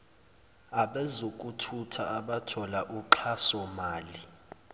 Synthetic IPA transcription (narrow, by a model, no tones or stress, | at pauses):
aɓɛzok̬ʼutʰutʰaːɓatʰɔlaʔuǃʰasɔmaːli